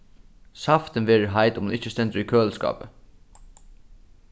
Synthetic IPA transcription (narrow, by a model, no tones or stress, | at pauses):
saft̪ɪnʋeːɾəɦajt̪ʊmhunɪht͡ʃːəst̪ɛnt̪ɾikʰøːlskɑ̰ːpə̰